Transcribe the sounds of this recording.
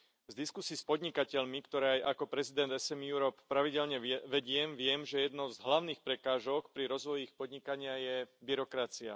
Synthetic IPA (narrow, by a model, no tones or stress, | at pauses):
zd̪iskusiːspɔd̪ɲikacɛʎmikt̪ɔɾɛajʔakɔpɾɛzid̪ɛnd̪ɛsɛmjuɾɔppːɾaʋiɟɛʎɲɛʋɛɟɪɛmʋɪɛmʒɛjɛd̪nɔʊzɦlaʊniːxpɾɛkaːʒɔkpɾiɾɔzʋɔjixpɔd̪ɲikaɲɪajɛbiɾɔkɾat͡sia̰